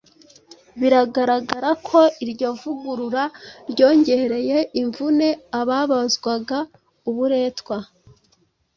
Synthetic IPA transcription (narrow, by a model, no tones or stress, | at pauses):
βiɾaɡaɾaɡaɾakʰo̞iɾɟo̞ːvuɡuɾuɾaɾɟo̞ːɲɟe̞ɾe̞je̞ʔiɱvune̞aβaβazɡwaɡa | uβuɾe̞ːtkwa